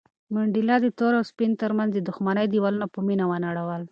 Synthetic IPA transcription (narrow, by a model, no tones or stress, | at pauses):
mʊɳɖilɑd̪ət̪oɾawspint̪əɾmanzd̪əd̪ʊxmanəjd̪iwalunapəminawanaɽawəl